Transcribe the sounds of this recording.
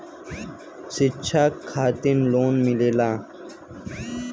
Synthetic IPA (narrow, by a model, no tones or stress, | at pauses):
sit͡ɕʰaːkʰːaːt̪inloːnmileːlaː